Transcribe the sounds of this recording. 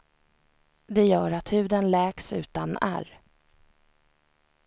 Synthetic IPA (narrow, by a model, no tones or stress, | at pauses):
d̪ɛjœːɾat̪hʉ̟ːd̪ənlɛːksʉ̟̰ːt̪anæ̰ɾ